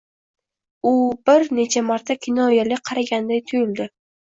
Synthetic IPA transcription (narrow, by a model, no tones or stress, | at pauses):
ʊbɪɾne̞t͡ʃʰamaɾt̪ʰakʲʰɪnɒjalɪqʰɑɾaɡʲand̪ajt̪ʰʊjɪld̪ɪ